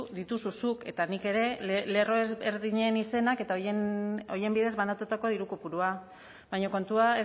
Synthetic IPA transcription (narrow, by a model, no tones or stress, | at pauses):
ðit̪ususuke̞t̪anike̞ɾe̞le̞ro̞eze̞ɾðiɲe̞nise̞nake̞t̪aono̞je̞mbiðe̞zβanat̪ut̪ako̞ðiɾukopuɾua | βajɲoko̞nt̪uae